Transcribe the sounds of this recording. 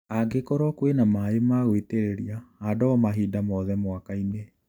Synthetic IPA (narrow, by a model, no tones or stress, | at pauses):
aɡekɔɾɔkwenamaemaɣweteɾeɾiaadɔɔmaɦidamɔðɛmwakaine